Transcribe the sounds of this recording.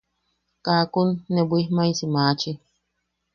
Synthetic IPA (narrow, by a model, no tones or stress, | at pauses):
kakunːebʷihmaisimaːt͡ʃi